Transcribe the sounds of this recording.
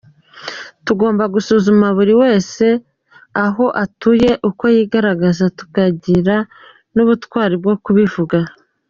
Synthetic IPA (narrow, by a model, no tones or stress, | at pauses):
tuɡo̞ːmbaɡusuːzumaβuɾiwe̞ːse̞ | aɦo̞ʔatuje̞ʔuko̞jiːɡaɾaɡazatu̥kaɟiɾa | nuβutkwaːɾibɡo̞kuβivuɡa